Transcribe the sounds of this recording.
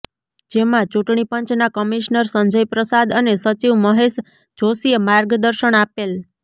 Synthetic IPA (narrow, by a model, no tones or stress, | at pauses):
d͡ʒemãt͡ʃuʈɳipəɲt͡ʃnakəmiʃnəɾsəɲd͡ʒəjpɾəsad̪ənesət͡ʃiʋməɦeʃ | d͡ʒosijemaɾɡd̪əɾʃəɳapel